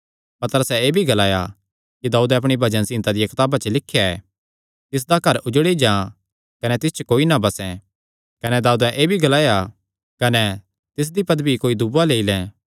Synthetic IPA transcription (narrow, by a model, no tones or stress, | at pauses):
pɐt̪əɾəsɛeːbʱiɡɐlaːja̰ | kid̪aːuːd̪ɛɐpɽ̃ibʱɐd͡ʒənsɪ̃nt̪ad̪ijakɪt̪aːbat͡ʃəlɪkʰːjaɛ̰ː | t̪ɪs̬d̪akɐɾʊd͡ʒɽid͡ʒãː | kɐnɛt̪ɪst͡ʃəkoːinabɐsɛ̃ | kɐnɛd̪aːuːd̪ɛ̃ʔeːbʱiɡɐlaːja | kɐnɛ | t̪ɪs̬d̪ipɐd̪bikoːid̪ʊbaleːilɛ̃ː